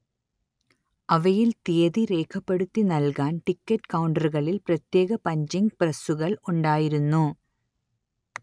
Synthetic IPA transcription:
ɐʋɐjilt̪ijɐðiɾe̞ːkʰɐpːeɽut̪ːinɐlkaːnʈikːɐʈːkɐwɳɖɐrɣɐɭilprɐt̪je̞ːɣɐpɐɲd͡ʑiŋɡprɐsuɣɐɭuɳɖaːjiɾunːu

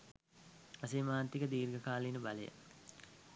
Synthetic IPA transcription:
ɐsemaːnt̪ikəd̪iːɾɡəkaːlinəbalə̰jə̰

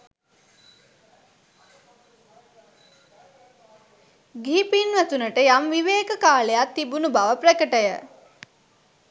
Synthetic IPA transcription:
ɡiːpinʋæt̪unəʈəjamʋiʋeːkəkaːlejat̪ːibunubaʋəprəkəʈəjə

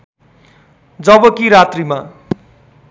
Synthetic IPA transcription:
d͡zʌbʌkiɾat̪rima

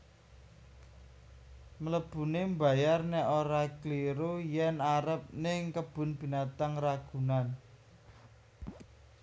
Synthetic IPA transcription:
mələb̥ṳnemba̤jarnɛʔoɾakliɾojɛnaɾəp̚nɪŋkəb̥ʊ̤nb̥i̤nat̪aŋraɡ̥ṳnan

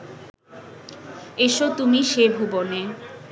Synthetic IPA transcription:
eʃot̪umiʃebʱubone

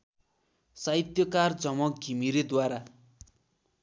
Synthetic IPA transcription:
sait̪jʌkard͡zʌmʌɡʱimiɾed̪waɾa

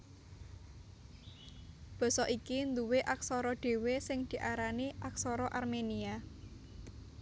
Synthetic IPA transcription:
b̥ɔ̤sɔʔikind̪uweʔaksɔɾɔɖ̪̥e̤wesɪŋd̪̥i̤ʔaɾaniʔaksɔɾɔʔarmenia

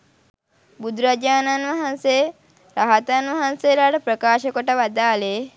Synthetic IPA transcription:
bud̪ɾad͡ʒaːnanʋaɦanse | ɾaɦat̪anʋaɦanselaːʈəpɾəkaːʃəkəʈəʋad̪aːle

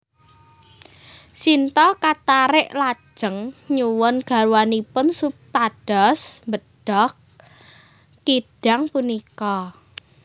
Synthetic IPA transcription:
sint̪ɔkat̪aɾɪʔlad̥ʒ̥ə̤ŋɲuwɔnɡ̥a̤ɾwanipʊnsup̚t̪aɖ̥ɔsmbəɖ̥ɔk | iɖ̥a̤ŋpunikɔ

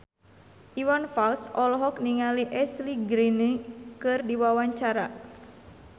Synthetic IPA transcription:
ʔiwanfalsɔlɔɦɔk̚niŋaliʔɛsliɡɾinikɨrdiwawaɲt͡ʃaɾa

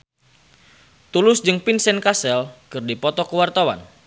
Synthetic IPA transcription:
t̪ulʊsd͡ʒɨŋpinsɛnkasɛlkɨrdipɔt̪ɔkəwart̪awa̰n

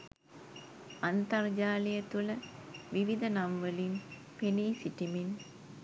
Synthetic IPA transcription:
ant̪ɐrd͡ʒaːlijət̪uləʋiʋid̪ɐnamʋəlin | peniːsiʈimin

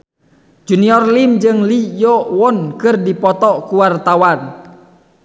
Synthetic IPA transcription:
d͡ʒuniɔrlimd͡ʒɨŋlijɔwɔnkɨrdipɔt̪ɔkuwart̪awan

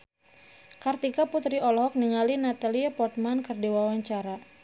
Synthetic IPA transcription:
kart̪ikaput̪ɾiɔlɔɦɔk̚niŋalinat̪aliapɔrt̪̚mankɨrdiwawaɲt͡ʃaɾa

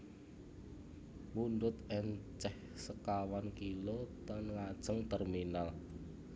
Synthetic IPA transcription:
wund̪ʊt̪ɛnt͡ʃɛh | səkawankilot̪ɔnŋad̥ʒ̥əŋt̪ərminal

